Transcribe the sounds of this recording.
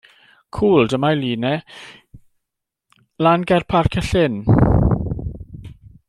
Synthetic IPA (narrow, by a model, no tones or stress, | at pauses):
kʰuːldəmajliːnɛ | lanɡɛrpʰarkʰɛɬɛn